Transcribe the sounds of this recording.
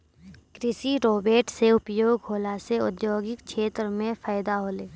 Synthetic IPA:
kɾɪsiɾoːbeːʈseʊpjoːɡɦoːlaseʊd̪joːɡɪkʃʰeːt̪ɾəmẽfaːjd̪aɦoːleː

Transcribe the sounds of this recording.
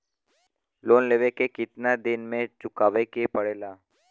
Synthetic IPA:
loːnleːʋekekɪt̪nad̪ɪnmẽt͡ʃʊkaːʋekepəɽeːlaː

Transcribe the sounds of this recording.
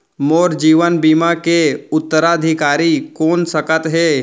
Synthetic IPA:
moːɾd͡ʒiːʋənbiːmakeʊt̪ːəɾaəd̪ʱikaːɾikoːnsəkət̪ɦeː

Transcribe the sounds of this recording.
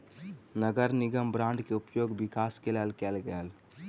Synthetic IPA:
nəɡəɾnɪɡəmbɾãːɳɖkeʊpjoːɡbɪkaːskelelkɛːlɡəəl

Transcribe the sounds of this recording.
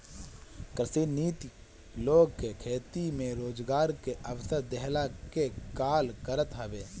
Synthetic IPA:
kɾsiːniːt̪i | loːɡkekʰeːt̪imẽɾoːd͡ʒɡaːɾkeʔəʋsəɾd̪ɛɦlakekaːlkəɾət̪ɦɛʋeː

